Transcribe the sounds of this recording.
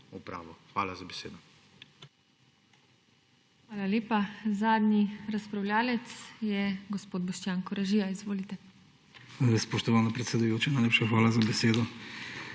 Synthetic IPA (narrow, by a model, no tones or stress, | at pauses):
upɾa̰ːʋɔxʋa̰ːlazabɛsḛːd̪ɔ | xʋaːlaleːpazaːd̪nʲiɾaspɾawlʲjaːlɛt̪sjɛɡospoːd̪̚bɔʃt͡ʃjaːŋkɔɾaʒiːjaizʋoːlit̪ɛ | spɔʃt̪ɔʋaːnapɾɛt̪sɛd̪ujoːt͡ʃɛnajlepʃaxʋaːlazabɛseːd̪ɔ